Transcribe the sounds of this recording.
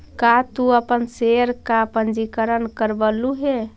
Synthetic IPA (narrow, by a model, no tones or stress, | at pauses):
kat̪uəpənseɾkapənd͡ʒikəɾənkəɾbəluɦe